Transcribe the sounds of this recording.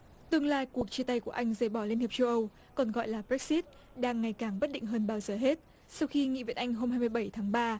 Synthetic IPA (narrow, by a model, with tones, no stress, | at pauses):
t̪ɨ˧əŋlaː˧jku˨˩ək̚t͡ɕi˧t̪a˧jku˧˩əʔa˧jŋ̟zəː˨˩jɓɔ˧˩li˧ənhi˨˩əp̚t͡ɕə˧wʔə˧w | kɔ˨˩nɣɔ̰˧˨jlaː˨˩bɛ˦˥k̚si˦˥t̚ | ɗaː˧ŋːa˨˩jkaː˨˩ŋɓə˦˥t̚ɗḭ̈˧˨ŋɦəː˧nɓaː˧wzəː˨˩ɦe˦˥t̚ | sa˧wxi˧ŋḭ˧˨və̰˧˨nʔa˧jŋ̟ɦo˧mhaː˧jmɨ˧əjɓə˧˩jt̪ʰaː˨˦ŋɓaː˧